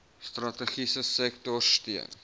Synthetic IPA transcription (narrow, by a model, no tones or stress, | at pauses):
strɐtəχisəsɛktɔrstiən